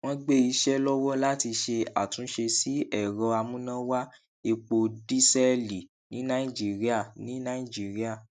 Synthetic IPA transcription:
w̃ɔ̃˦ɡ͡be˦˨i˧ʃɛ˦lɔ˦wɔ˦la˦ti˧ʃe˧a˨tũ˨˦ʃe˧si˦ɛ˨ɾɔ˧˦a˧mũ˦nã˦wa˦ | e˧k͡po˧di˦sɛ˦li˨ | nĩ˨˦nã˦ĩ˦˨d͡ʒi˦ɾi˦a˦˨nĩ˨˦nã˦ĩ˦˨d͡ʒi˦ɾi˦a˦˨

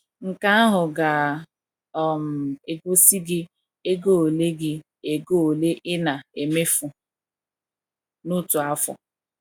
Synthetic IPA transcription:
ŋ̩˨ka˦a˦ɦʊ˨ɡa˨ | ɔ˨m̩˨e˨ɡo˦si˦ɡɪ˦ | e˦ɡo˦o˨le˦ɡɪ˦ | e˨ɡo˦o˨le˦ʔɪ˦na˨e˨me˦fʊ˨ | nʊ˦tu˨a˦fɔ̰˨

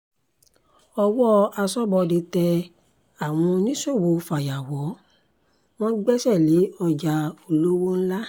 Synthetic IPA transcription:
ɔ˧wɔ˦a˧sɔ˦bɔ˧de˧tɛ˧ | a˨w̃ɔ̃˧nĩ˦so˦˨wo˧fa˨ja˨wɔ˨˦ | w̃ɔ̃˦ɡ͡bɛ˦sɛ˦˨le˨˦ɔ˧d͡ʒa˨o˨lo˦wo˦n̩˦la˦

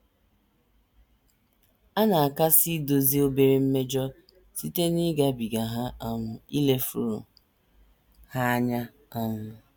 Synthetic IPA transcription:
a˦na˨a˨ka˦si˦do˨zi˦o˦be˨ɾe˨m̩˦me˦d͡ʒɔ˦ | si˦te˦ni˦ɡa˦bi˨ɡa˨ɦa˦a˦ŋʷʊ˨i˦le˨fu˦ɾo˨ | ha˦ɲa˦ | a˦ŋʷʊ˦

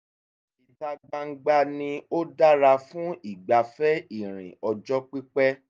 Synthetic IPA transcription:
i˨da˧ɡ͡ba˧˦ɡ͡ba˧nĩ˧o˦da˦ɾa˧fũ˦i˦˨ɡ͡ba˨fɛ˦i˦˨ɾ̃ḭ̃˨ɔ˨d͡ʒɔ˦k͡pi˦k͡pɛ˦

